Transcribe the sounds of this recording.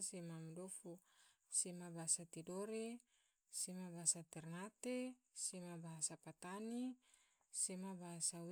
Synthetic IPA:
semamdofu | semabasat̪idoɾe | semabasat̪ɛrnat̪e | semabaɦsapat̪ani | semabasa

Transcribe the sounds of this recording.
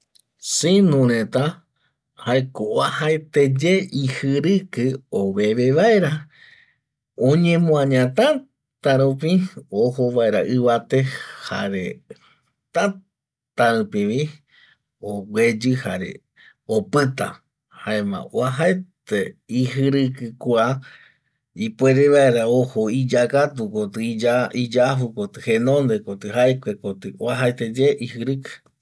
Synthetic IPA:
sinũɾẽt̪a | haekooahaet̪e̞d͡ʒe̞ihɨɾɨkɨoβe̞βeʋaeɾa | õɲẽmõãɲãt̪ã | t̪aɾũp̬iohoβaeɾaʔɨʋat̪e̞haɾe | t̪a | t̪aɨpĩʋi | owʷe̞d͡ʒɨhaɾe̞̰ | opɨt̪a̰ | haẽmã̰oaɦaet̪eiɦɨɾɨkɨkʷa | ipweɾeβaeɾaohoid͡ʒakat̪ukot̪ɨiaid͡ʒafukot̪ɨhenõnd̪ekot̪ɨɦaekʷekot̪ɨoaɦaet̪ed͡ʒeʔihɦɨɾɨkɨ̥

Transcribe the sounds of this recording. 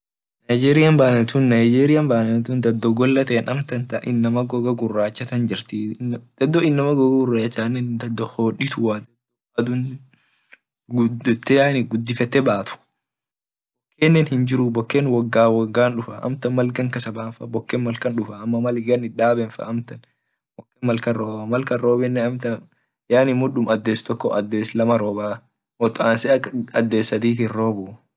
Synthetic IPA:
nɐjd͡ʒeːɾɪjɐmbaːnɐnt̪unːɐjd͡ʒeːɾɪjɐmbaːnɛnt̪uːnd̪ɐd̪ːɔɡɔlːɐt̪eːnɐmt̪ɐnt̪ɐʔɪnːɐmɐɡɔɡɐɡʊrːaːt͡ʃːɐt̪ɐnd͡ʒɪɾt̪ɪd̪̥ɐd̪ːɔɪnːɐmɐɡɔɡɐɡʊrːaːt͡ʃːaːnːɛnd̪ɐd̪ːɔhoːᶑɪt̪ʊwaːd̪ɐd̪ɔ | d̪ʊn | ɡdt̪ːɛaːnɪɡʊd̪ːɪfɛt̪ːɛbaːt̪ʊ̥ | bɔkːeːnːɛnhɪnd͡ʒɪɾʊbɔkːeːnwɐɡːaːwɐɡːaːnᶑʊfɐʔɐ̰mt̪ɐnmɐlɡɐŋkɐsɐbaːfɐbɔkːɛnmɐlkɐnᶑʊfɐːmːɐmɐlɪɡɐnɪᶑaːbɛnfɐ̰ʔɐmt̪ɐn | bɔkːɛnmɐlkɐnɾoːbɐmɐlkɐɾoːbɛnːɛɐmt̪ɐ | jaːnɪmʊᶑʊmɐd̪ːeːst̪ɔkːɔʔɐd̪ːeːslɐmɐɾoːbaː | ɔt̪aːnsɛɐd̪ːeːsːɐd̪iːkɪnɾoːbʊ

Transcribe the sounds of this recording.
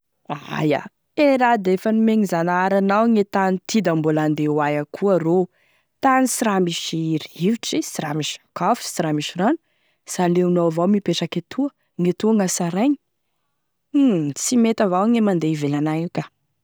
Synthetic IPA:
aa̰ja̰ | eɾad̪efanimeŋizanaaɾanawŋet̪anit̪id̪ambuland̪ewajakʰuaro | t̪anisiɾamiʃiɾiviʈ͡ʂisiɾamiʃi̥kafi̥siɾamiʃiɾanu̥ | saleunovawmipeʈ͡ʂaket̪ʰuə | ŋet̪uaŋasaɾeɲi̥ | t͡simet̪avawŋemand̪eivelanajukʲa

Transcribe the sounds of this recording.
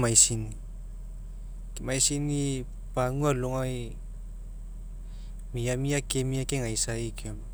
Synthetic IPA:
majsini | kimajsini | paŋualoŋaj | miamiakemiakeŋaisaikiom

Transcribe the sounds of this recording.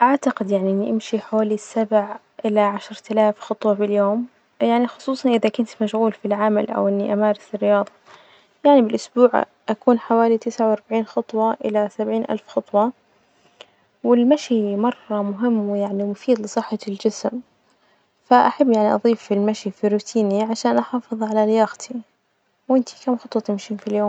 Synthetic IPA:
ʔaʕt̪aqɪd̪jaʕniʔɪnːiʔɪmʃiħaaːlisːabʕ | ʔɪlaʕaʃɾˤt̪alaːfxɑt̪ˤwɑfiljoːm | jaʕnixʊsˤuːsˤɑnʔɪðakʊnt̪maʃɣuːlfilʕamalʔa̰wʔɪnːiʔamaːɾɪθɪrːɪjɑːðˤɑ | jaʕnibɪlʔʊsbuːʕ | ʔakuːnħawaːlit̪ɪsʕawɑɾˤbaʕiːnxɑt̪ˤwɑʔɪ̰lasabʕiːnʔa̰lfxɑt̪ˤwɑ | wɪlmaʃimɑrˤːɑmʊɦɪmːwjaʕnimʊfiːd̪lɨsˤɨħːɑld͡ʒɪsm | faʔaħabːjaʕniʔɑ̰ðˤiːfilmaʃifiɾuːt̪ʰiːniʕaʃaːnʔɑħɑːfɨðˤʕalalɪjaːɣt̪ʰi | wʔɪnt̪i̥kaːmxɑt̪ˤwɑt̪ɪmʃiːnfiljoːm

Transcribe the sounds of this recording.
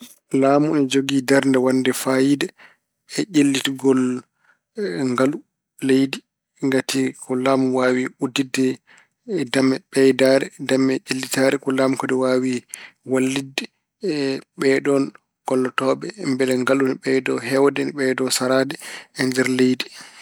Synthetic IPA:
laːmuɛd͡ʒoɡidaɾndɛwandɛfajidɛ | ɛʔelːitɡɔl | ŋɡalu | lejdi | ŋɡatikɔlaːmuwaːwiudidːɛ | damɛɓɛjdaɾɛdamɛʔilːitaɾɛkɔlamkɔdɛwawiwalːidːɛ | ɓɛɗɔn | kɔlːɔtɔːɓɛmbɛlɛŋɡalunɓɛjdɔɦɛwdɛnɓɛdɔsaɾadɛɛnd͡ʒɛɾlejdi

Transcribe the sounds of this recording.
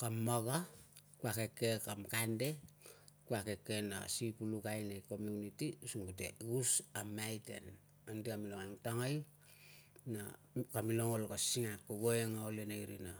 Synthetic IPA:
kamːaɡakuake̞kːekamkande̞ | kuake̞kːena̰sipulukajnajko̞miunitiusuŋɡutḛɡusamːajtḛn | andiamiloŋaŋtaŋaj | na | kamiloŋolkasiŋakoɡoeŋaolenajɾina

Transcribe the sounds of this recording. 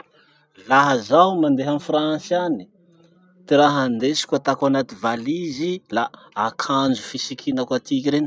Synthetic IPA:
laɦəzawmand̪eɦamifransani̥ | t̪iɾaɦand̪esi̥kʲat̪akanat̪ivalizila | akʰand͡ʒufisikʰinakat̪ikiɾeni

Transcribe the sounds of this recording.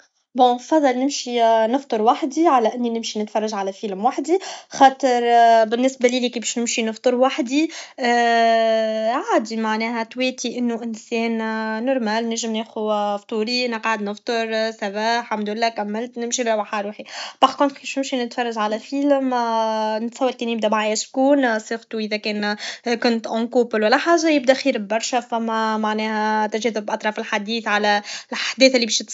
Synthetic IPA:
bõfɑðˤːɑlnɪmʃinɨft̪ˤɨɾwaħd̪iʕalæʔɪnːinɪmʃinɪt̪fɑrˤːɑʒʕalæfiːlmwaħd̪ixɑːt̪ˤəɾˤbɪnːɪsbæliːlikiːbɛʃnɪmʃinɨft̪ˤɨɾwaħd̪i | ʕaːd̪imaʕnɛːɦæt̪wɛːt̪iʔɪnːuʔɪnsɛːnːɔɾˤmælnɪɾʒɪmneːxuft̪ˤuːɾiʔnəqʕad̪nəft̪ˤɨɾˤsæbaħamd̪ulːækæmːɪlt̪nɪmʃibɾˤɑwaħaɾˤuːħib̥ɑʕkʊnt̪ˤkifʃnɪmʃinɪt̪fɑrˤːɑʒʕalæfiːlm | nɪt̪sˤɑwːɑd̪kɛːnjɪb̚d̪æmaʕaːjæʃkuːnsˤeɣt̪uʔɪðækɛːnkʊnt̪ʔɑ̃kuːpəlwælːæħaːʒajɪbd̪æʔxiːɾbɑɾˤʃafæmːæmaʕnɛːhæt̪æʒɛːðɪbʔɑt̪ˤɾˤɑːfɪlħad̪iːθʕalælʔaħd̪ɛːθʔɪlːibɛːʃt̪s

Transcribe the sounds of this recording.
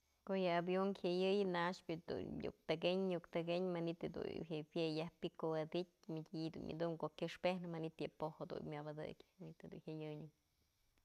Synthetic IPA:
koʔjɨabjoŋhʲajɨjɨnaʂpʲɨd̪ṵɲjṵk̚t̪aɡeɲɲukt̪aɡeɲmanit̪ed̪ṵhepjejahpikowad̪it̪̚ʲmɨdʲid̪ṵnʔa̰d̪uŋkoʔkʲɨʂpehnɨmanit̪jɨpohad̪ṵmʲabad̪ɨ̰kʲmanit̪hed̪uhʲajɨɲɨ

